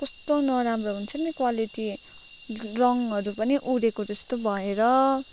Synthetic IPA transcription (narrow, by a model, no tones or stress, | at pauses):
kʌst̪onʌɾamroɦunt͡sʰʌnikwaliʈi | rʌŋɦʌɾupʌniʔuɾekod͡zʌst̪obʱʌeɾʌ